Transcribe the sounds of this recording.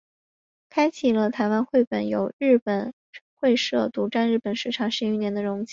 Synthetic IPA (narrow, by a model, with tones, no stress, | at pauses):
kʰa˥ɪt͡ɕʰi˨˩lə˦t̪ʰa˧˥ɪwa˥nxwe˥˩ɪpə˨˩njo˨˩ʊɻɻ̩˥˩pə˨˩n˥ | xwe˥˧ɪʂɤ˥˩t̪u˧˥ʈ͡ʂa˥˧nɻ̩˥˩pə˨˩nʂɻ̩˥˩ʈ͡ʂʰɑ˨˩ŋʂɻ̩˥˧y˥˩njɛ˧˥nd̪ə˧ɻʊ˧˥ŋt͡ɕi˧˥